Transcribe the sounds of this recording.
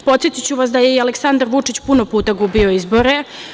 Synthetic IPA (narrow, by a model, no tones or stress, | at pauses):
po̞t̪sjet̪it͡ɕuʋasd̪ajeialeksand̪aɾʋut͡ʂit͡ɕpunopuːt̪aɡubio̞izbo̞ɾe